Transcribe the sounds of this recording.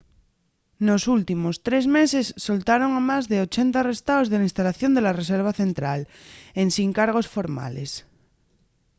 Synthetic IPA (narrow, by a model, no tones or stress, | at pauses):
no̞sult̪imo̞st̪ɾezmesesːo̞lt̪aɾo̞ŋamazðeot͡ʃent̪arest̪aozðelainst̪alaθjo̞nd̪elares̬eɾβ̞aθent̪ɾalensiŋkaɾɣ̞o̞sfo̞ɾma̰les